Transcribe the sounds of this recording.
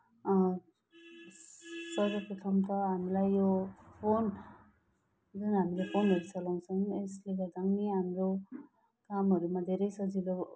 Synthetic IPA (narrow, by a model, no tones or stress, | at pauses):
sɔɾɔpɾɔt̪ʰɔmt̪ʰaamilajɔpʰon | zɯnamilepʰonɦʌɾisalɔŋsɯŋesliɡadaŋniamɾo | kamɦɔɾumad̪eɾejsʌzilɔ